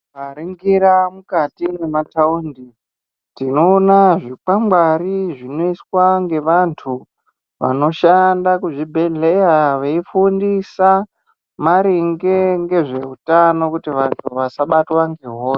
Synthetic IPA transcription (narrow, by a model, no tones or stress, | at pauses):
ʋaɾiŋɡiɾamukatinemataundi | tinoːnaʐik͡pamɡwariʐino̞iswaŋɡe̞ʋantʰu | ʋa̰no̞ʃandakuʐibʱe̞ɮe̞jaʋeifundisa | maɾiŋɡe̞ŋɡe̞ʐe̞utano̞kutiʋantʰuʋasaɓatwaŋɡeɦoːse